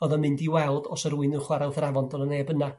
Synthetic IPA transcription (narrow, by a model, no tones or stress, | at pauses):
ɔðɔmɨndiwɛlˠdɔsəɾuɨnʊχwaɾawθravɔndʰɔnˠəneːbəna